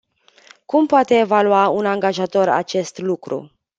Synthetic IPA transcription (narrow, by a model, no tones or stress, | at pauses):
kumpoat̪e̞ːvaluaunaŋɡaʒat̪o̞ɾa̰t͡ʃe̞st̪lukɾṵ